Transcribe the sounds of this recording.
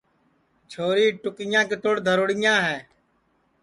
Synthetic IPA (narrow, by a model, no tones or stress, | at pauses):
t͡ʃʰoːɾiːʈʊkɪjãːket̪oːɽd̪ʱəɾoːɽɪjãːɦɛː